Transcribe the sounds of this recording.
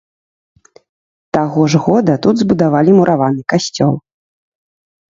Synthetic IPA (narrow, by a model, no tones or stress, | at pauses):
t̪aɣɔʐɣɔd̪ɐt̪ud̪zbud̪avalʲimuɾʔavanɨkasʲt͡sʲɔlˠ